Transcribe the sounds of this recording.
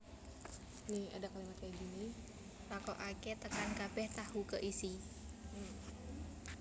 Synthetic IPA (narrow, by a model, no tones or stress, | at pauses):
nɪha̰dakalimat̪̚kaidini | pakoʔakɛt̪əkankabɛht̪aɦukəʔisi